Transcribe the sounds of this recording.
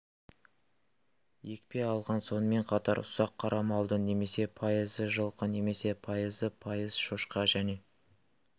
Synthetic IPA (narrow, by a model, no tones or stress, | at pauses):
je̞kpe̞ɑlˠʁɑnso̞nəme̞ɴqʰɑt̪ɑɾʊsɑqʰːɑɾʔɑmɑlˠd̪əne̞me̞se̞pʰɑjəzəʒəlˠqəne̞me̞se̞pʰɑjəzəpʰɑjəz̥ʃoʃqɑʒæne̞